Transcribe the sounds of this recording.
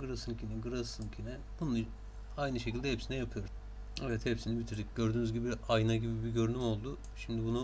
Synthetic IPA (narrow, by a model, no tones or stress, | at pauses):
ɡɯɾasɯncinɛɡɯɾasɯncʰinɛ | bunɯ | ajnɯʃecʰilʲd̪ɛhɛpsinɛjapʰɯjo̞ɾ | ɛvɛt̪hɛpsinibit̪ʰiɾd̪icɟø̞ɾd̪yːnyzɟibiajnaɟibibiɟø̞ɾynymo̞lˠd̪ʊ | ʃimd̪ibunu